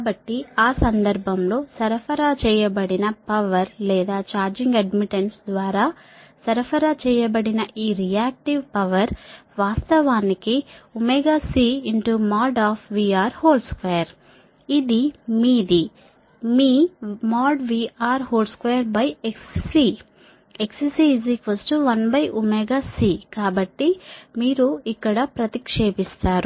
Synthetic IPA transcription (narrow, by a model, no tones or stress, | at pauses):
bɐʈːiaːsɐnd̪ɐɾbʱɐmlo̞ːsɐɾɐfʰɐɾat͡ʃɛːjɐbɐɽinɐpɐʋɐɾlɛːd̪aːt͡ʃaːɾd͡ʒiŋɡɐɖmiʈeɳsd̪ʋaːɾaː | sɐɾɐfʰɐɾat͡ʃɛːjɐbɐɽinɐʔiːɾijaːk̚ʈiʋpɐʋɐɾʋaːst̪ɐʋaːnikiumɛɡaːsiːiɳʈumaːɖaːpʰʋiːaːɾhoːlskʋeːɐɾ | id̪imiːd̪i | miːmaːɖʋiːʔaːɾhoːlskʋeːjɐɾbɐjekssi | ekssizikʋɐsʈuʋɐnbɐjʔumɛɡaːsiːkaːbɐʈːimiːɾuikːɐɽɐpɾɐt̪ikʂeːpist̪aːɾu